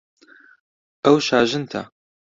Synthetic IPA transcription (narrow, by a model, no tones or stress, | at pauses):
ʔɐwʃaːʒɨnt̪ʰɐ̰